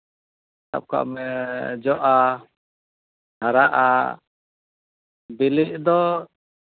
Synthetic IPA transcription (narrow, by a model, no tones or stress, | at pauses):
t̪a̰p̚ka̰ʔmɛd͡ʒɔʔa | haɾaʔa̰ | biliʔ̚d̪ɔ